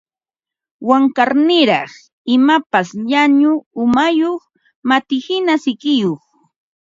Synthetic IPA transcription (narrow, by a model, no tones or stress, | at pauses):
waŋkaɾnɪɾɑχ | ɪmapasʎaɲʊʊmajoχ | mat̪ɪhɪnasɪkɪjoχ